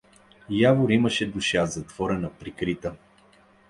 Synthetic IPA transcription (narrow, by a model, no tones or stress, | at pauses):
javʊɾiməʃɛd̪ʊʃazɐt̪v̥ɔɾɛnɐpɾikɾit̪ə